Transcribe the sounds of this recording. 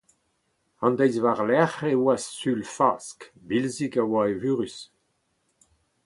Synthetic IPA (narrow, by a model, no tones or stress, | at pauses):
ɑ̃nd̪ɛjzvaʁlɛχewasːylfaːskbilzikawaevyːʁys